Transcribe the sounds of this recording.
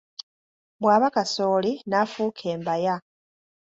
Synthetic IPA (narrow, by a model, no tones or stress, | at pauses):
bwaːβakaso̞ːlinafuːkʰeːmbaja